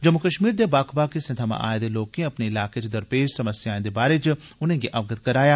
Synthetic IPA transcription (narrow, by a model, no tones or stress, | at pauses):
d͡ʒɐmːukəʃmiːɾd̪ebaːkʰbaːkisẽt̪ʰɐmã̰ʔa̰ːẽd̪eloːkẽɐpneɪlaːket͡ʃed̪ɐɾpeːd͡ʒsɐməsjaːẽd̪ebaːɾet͡ʃ | ʊnẽɡeʔɐʋɡət̪kɐɾaːjaː